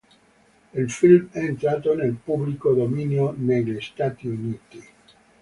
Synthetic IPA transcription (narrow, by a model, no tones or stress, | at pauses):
ilfilmɛent̪ɾaːt̪onelpublikod̪ominjoneʎest̪at̪iuniːt̪i